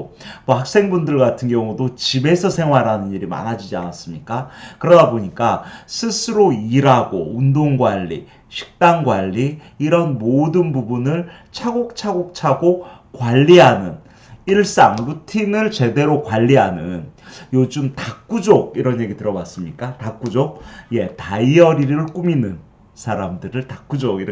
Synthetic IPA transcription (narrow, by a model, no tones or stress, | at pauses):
mʌhak̚s͈e̞ŋbundɯɭɡatʰɯnɡjʌŋudot͡ɕibe̞sʰʌsʰeŋwaɾanɯniɾima̰nad͡ʑid͡ʑia̰nas͈ɯmɲik͈akɯɾʌdaboɲik͈asʰɯsʰɯɾoiɾaɡo̰undoŋɡwaʎːḭ | ɕʰi̥k̚t͈aŋɡwaʎːiː | ɾʌnmodɯnbubunɯɭ | t͡ɕʰaɡok̚t͡ɕʰaɡok̚t͡ɕʰaɡokwaʎːiɦanɯn | iɭs͈aŋlutʰinɯɭt͡ɕe̞de̞ɾokwaʎːiɦanɯnjod͡ʑɯmtak͈ud͡ʑoɡ̚iɾʌnje̞ɡitɯɾʌwas͈ɯmɲik͈atak͈ud͡ʑoɡ̚je̞taiʌɾiɾɯɭk͈uminɯn | sʰaɾamdɯɾɯɭtak͈ud͡ʑoɡi